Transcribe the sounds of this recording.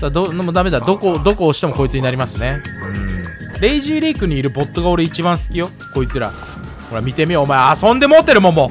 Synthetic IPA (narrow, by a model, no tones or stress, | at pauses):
d̪ad̪oomod̪ame̞d̪ad̪o̞kod̪o̞ko̞ːɕi̥t̪eoko̞it͡sɨɲinaɾʲimasɨne̞ɯ̟̃ɴ | ɾe̞iʑiːɾiːkɯ̟ɲ̟iːɾɯ̟bo̞t̪ːo̞ɡao̞ɾe̞it͡ɕibãɰ̃sɨ̥kʲijo̞ | ko̞it͡sɨɾa̰ | ho̞ɾamʲit̪e̞mʲioːmaeasõ̞nd̪e̞mot̪ːe̞ɾɯ̟mõ̞mːo